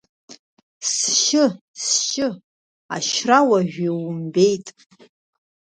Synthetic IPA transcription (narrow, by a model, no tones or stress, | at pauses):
sʃɪ | sʃɪ | aʃrawaʒᶣiwʊmbejtʼ